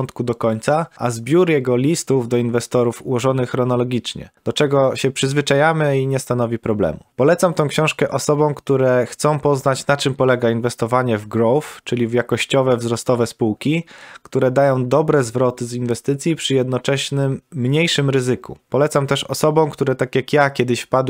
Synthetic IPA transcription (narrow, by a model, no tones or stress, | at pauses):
nt̪kud̪ɔkɔɲt̪saʔazbʲjuɾjɛɡɔlʲist̪uvd̪ɔinvɛst̪ɔɾufṵwɔʐɔnɘxɾɔnɔlɔɡʲit͡ʂɲɛ̰d̪̥ɔt͡ʂɛɡɔɕɛpʂɘzvɘt͡ʂajamɘiɲɛst̪anɔvʲipɾɔblɛ̰mupɔlɛt̪samt̪ɔ̃w̃kɕɔ̃w̃ʂkɛʔɔsɔbɔ̃w̃kt̪uɾɛxt̪sɔ̃w̃pɔznat͡ɕnat͡ʂɘmpɔlɛɡainvɛst̪ɔvaɲɛvɡɾɔwft͡ʂɘlʲivjakɔɕt͡ɕɔvɛvzɾɔst̪ɔvɛspuwkʲikt̪uɾɛd̪ajɔ̃w̃d̪ɔbɾɛzvɾɔt̪ɘzinvɛst̪ɘt̪sʲjipʂɘjɛd̪nɔt͡ʂɛɕnɘmːɲejʂɘmɾɘzɘkṵpɔlɛt̪samt̪ɛʂɔ̰sɔbɔ̃w̃kt̪uɾɛt̪akʲjakjakʲɛd̪ɘɕfpad̪w